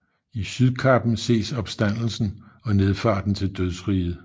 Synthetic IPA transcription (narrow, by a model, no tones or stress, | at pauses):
isyðˠkʰɑ̈b̥n̩se̝̰ːsɒ̽b̥sd̥æn̰l̩sn̩ɒ̽ne̝ð̞ˠfɑ̰̈ːd̥n̩t͡sʰe̝ld̥øðˠsʁiːð̩ˠ